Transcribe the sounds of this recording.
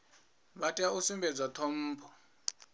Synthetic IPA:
βatʼiausimbʱɛd͡zwatʰɔm̩ːpʰɔ

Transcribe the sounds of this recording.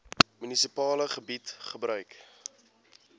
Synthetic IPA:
mynisipɑːləχəbitχəbɾœɥk

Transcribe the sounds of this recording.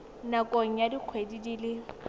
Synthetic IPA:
nakʼoŋ̩jadik͡xʰwedidilɪ

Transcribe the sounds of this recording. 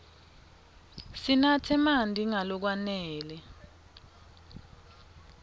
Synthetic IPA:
sinatʰɛmandʱiŋalɔk̬wanɛːlɛ

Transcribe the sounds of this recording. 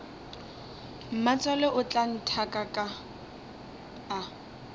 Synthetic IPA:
m̩mat͡sʼalɛʔʊt͡ɬʼan̩tʰakʼakʼa | a

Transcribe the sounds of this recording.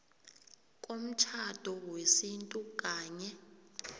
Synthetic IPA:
k̬ʼom̩t͡ʃʰad̥ʱɔwesintʼuk̬ʼaːɲɛ

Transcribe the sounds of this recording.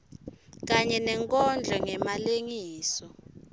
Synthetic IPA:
k̬aɲɛnɛŋkʼɔnd͡ɮʱɔŋɛmaleŋiːsɔ

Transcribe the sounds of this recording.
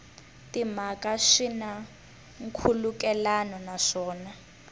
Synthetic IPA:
timakaʂina | ŋ̩kʰulukɛlanɔnaʂɔːna

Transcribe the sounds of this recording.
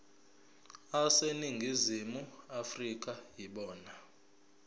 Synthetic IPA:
aseniŋɡʱizimuafrik̬ʼajiɓɔːna

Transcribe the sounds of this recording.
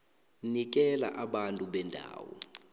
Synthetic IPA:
nik̬ɛla̰ʔaɓantʼuɓɛndʱa̰ːwɔ

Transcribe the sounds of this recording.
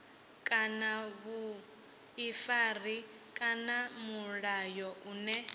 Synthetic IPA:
kʼanaβu | ifari | kʼanamuɺajɔʔunɛ

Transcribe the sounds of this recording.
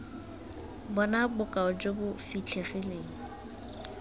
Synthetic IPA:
bɔnabʊkʼaʊd͡ʒobʊfit͡ɬʰeχileːŋ̩

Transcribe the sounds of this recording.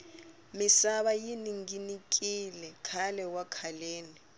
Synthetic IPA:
misaɓajiniŋɡinik̬ʼilɛkʰalɛwakʰaleːni

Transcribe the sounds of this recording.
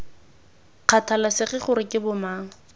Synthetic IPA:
q͡χʰatʰalasɪχɪχʊɾɪkʼɪbʊmaːŋ̩

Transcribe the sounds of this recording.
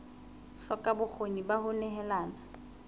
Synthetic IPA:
ɬɔkʼabʊk͡xʰonibahʊnɛɦɛlaːna

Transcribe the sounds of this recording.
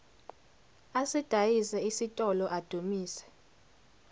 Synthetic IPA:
asid̥ʱajisɛisitʼɔlɔʔad̥ʱumiːsɛ̥

